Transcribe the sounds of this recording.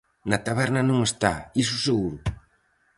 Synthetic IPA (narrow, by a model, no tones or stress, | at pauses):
nɐt̪aβɛɾnɐnõŋest̪aisuseɣuɾʊ